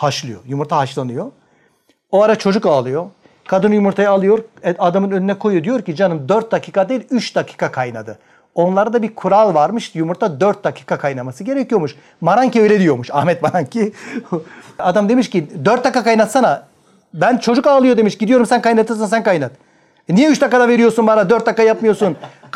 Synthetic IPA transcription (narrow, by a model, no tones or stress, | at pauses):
haʃlˠɯjo̞̰jumuɾt̪ʰahaʃlˠanɯjo | oaɾat͡ʃʰo̞d͡ʒukaːlˠɯjo | kʰad̪ɯnjumuɾt̪ʰajaːlˠɯjo̞ɾɛad̪amɯnønynɛkʰo̞jud̪ijo̞ɾcid͡ʒanɯmd̪øɾt̪̚d̪acʰiːkʰad̪ejilʲyt͡ʃd̪acʰi̥ːkʰakʰajna̰d̪ɯ | o̞nlˠaɾad̪abiɾkʰuɾalˠvaɾmɯʃjumuɾt̪ʰad̪øɾt̪̚d̪acʰi̥ːkakʰajnamasɯɟe̞ɾɛcʰijo̞muʃ | maɾaɲcʰiøjlʲɛd̪ijo̞muʃa̰hmɛt̪maɾaɲcʰi | ad̪amd̪e̞miʃcid̪øɾt̪̚d̪akːakajnat̪sana | bænt͡ʃʰo̞d͡ʒukaːlˠɯjo̞d̪e̞miʃɟid̪ijo̞ɾumsænkajnat̪ɯs̬ansænkajnat̪ | nijɛyt͡ʃd̪akːad̪ave̞ɾijo̞ɾsunbaɾad̪øɾt̪̚d̪akːajapmɯjo̞ɾsun